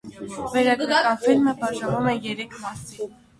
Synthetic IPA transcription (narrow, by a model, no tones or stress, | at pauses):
vɛɾɑkɾkɑnfilməbɑʒɑvumɛjɛɾɛkʰmɑsi